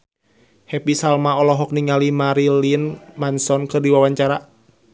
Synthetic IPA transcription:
hɛpisalmaɔlɔɦɔk̚niŋalimaɾilinmansɔnkɨrdiwawaɲt͡ʃaɾa

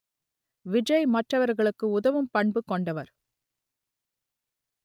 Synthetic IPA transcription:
ʋɪd͡ʒɐɪmɐʈrɐʋɐɾɣɐɭɯkːɯʊðɐʋɯmpɐɳbɯkːɔɳɖɐʋɐɾ

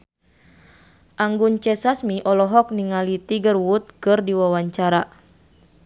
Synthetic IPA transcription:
ʔaŋɡunt͡ʃɛsasmiʔɔlɔɦɔk̚niŋalit̪iɡərwut̪̚kɨrdiwawaɲt͡ʃaɾa

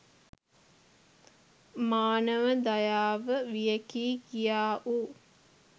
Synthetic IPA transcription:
maːnəʋəd̪ajaːʋəʋijəkiːkijaːʔu

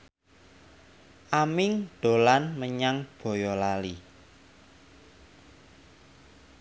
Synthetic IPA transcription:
ʔamɪŋɖ̥o̤lanməɲaŋb̥o̤jɔlali

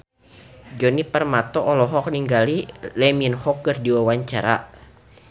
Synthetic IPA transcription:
d͡ʒɔnipərmat̪ɔʔɔlɔɦɔk̚niŋɡalilɛminhɔkːɨrdiwawaɲt͡ʃaɾa̰

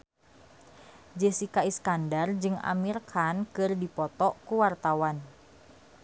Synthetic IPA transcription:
d͡ʒesikaiskandard͡ʒɨŋa̰mirkʰankɨrdipɔt̪ɔkuwart̪awan

